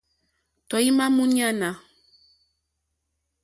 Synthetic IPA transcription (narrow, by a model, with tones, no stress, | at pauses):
tɔ˨i˦ma˦mũ˦ɲa˦na˨